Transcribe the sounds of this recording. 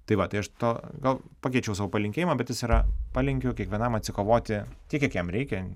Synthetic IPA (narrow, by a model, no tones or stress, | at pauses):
t̪ɐɪʋɐt̪ɐɪɐʃt̪oːɡɐlˠpɑːkʲɛɪt͡ʃʲɛʊsɑːʋoːpɐlʲɪŋʲkʲeːjɪmɐːbʲɛt̪jɪsiːɾɐpɑlʲɪŋʲkʲʊkʲiɛkʋʲiɛnɐmɐt̪ʲsʲɪkoːʋoːt̪ʲɪtʲiɛkʲɛkjɛmɾʲɛɪkʲɛ